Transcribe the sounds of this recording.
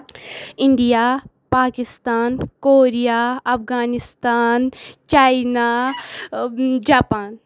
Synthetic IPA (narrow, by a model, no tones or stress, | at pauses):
ɪɳɖijaː | paːkɪst̪aːnkoːɾijaɐfɣaːnɪst̪aːnt͡ʃaːjna | d͡ʒaːpaːn